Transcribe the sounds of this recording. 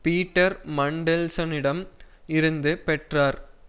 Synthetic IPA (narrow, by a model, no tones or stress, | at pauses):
piːʈːɐɾmɐɳɖɛlsɐnɪɽɐm | ɪɾɯnd̪ɯpɛʈraːɾ